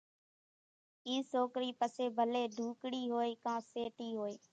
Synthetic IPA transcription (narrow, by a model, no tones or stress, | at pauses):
iːsoːkɾiːpəseːbʱəleːɖ̪ʱuːkɽiːɦoːeːkãːseːʈiːɦoːeː